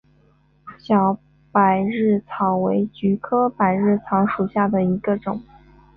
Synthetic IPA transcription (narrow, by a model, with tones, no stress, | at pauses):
ɕjɑ˧˥ʊ | pa˨˩ɪɻɻ̩˥˩t͡sʰɑ˧˥ŋwe˧˥ɪt͡ɕy˧˥kʰɤ˥pa˨˩ɪɻɻ̩˥˩t͡sʰɑ˧˥ŋʂu˨˩ɕja˥˩d̪ə˩i˧˥ɡə˧ʈ͡ʂʊ˨˩˦ŋ